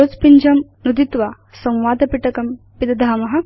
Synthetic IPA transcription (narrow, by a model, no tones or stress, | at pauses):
oːt͡spiɲd͡ʒɐmnud̪it̪ʋaː | sɐ̃wʋaːd̪ɐpiʈɐkɐm | pid̪ɐd̪ʱaːmɐɦɐ̆